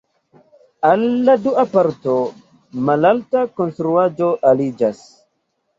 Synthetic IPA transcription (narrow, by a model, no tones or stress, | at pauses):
alːaduapaɾto | malaltakonst̪ɾuad͡ʒoʔalid͡ʒas